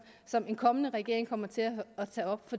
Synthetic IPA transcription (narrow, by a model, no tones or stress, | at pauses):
sɒ̽me̝nkʰɒ̽mənəʁɛɡ̥e̝ɐe̝ŋkʰɒ̽m̰ɐt͡sʰe̝læːt͡sʰɛ̰ːɒ̽b̥fɒ̥̽